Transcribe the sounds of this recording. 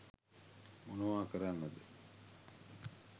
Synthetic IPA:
monuʋaːkəɾanːəd̪ə

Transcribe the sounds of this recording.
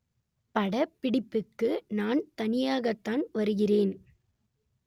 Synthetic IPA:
pɐɽɐpːɪɽɪpːɯkːɯnaːnt̪ɐnɪjaːɣɐt̪ːaːnʋɐɾɯɣɪreːn

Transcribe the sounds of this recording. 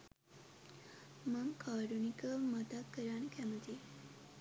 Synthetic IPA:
məmkʰaɾunikəmat̪akəɾaɳkamət̪i

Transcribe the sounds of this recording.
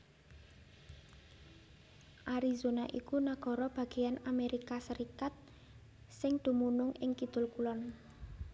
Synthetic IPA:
ʔaɾizonaʔikunaɡ̥ɔ̤ɾɔb̥a̤ɡ̥e̤janameɾikasəɾikat̪̚ | sɪŋd̪̥ṳmunʊŋɪŋkid̪̥ʊ̤lkulɔn

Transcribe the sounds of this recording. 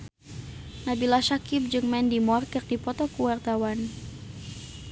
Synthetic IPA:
nabilaʃakip̚d͡ʒɨŋmɛndimɔrkərdipɔt̪ɔkuwart̪awan

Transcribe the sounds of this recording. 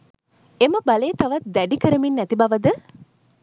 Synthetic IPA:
eməbɐleːt̪ɐʋɐt̪̚d̪ɛɖikəɾəminːɛt̪ibɐʋɐd̪ə

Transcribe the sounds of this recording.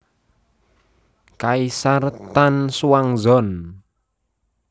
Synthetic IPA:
kaisart̪ansuwaŋzɔn

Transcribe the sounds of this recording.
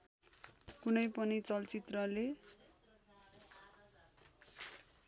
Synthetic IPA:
kunʌjpʌnit͡sʌlt͡sit̪rʌle

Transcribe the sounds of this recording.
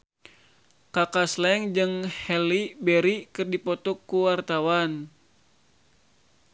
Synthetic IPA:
kakaslɛŋd͡ʒɨŋhɛlibɛɾikɨrdipɔt̪ukːuwart̪awan

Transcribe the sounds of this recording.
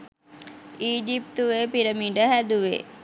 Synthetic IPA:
iːd͡ʒip̚t̪uʋepiɾəmiɖəɦæd̪uʋḛ

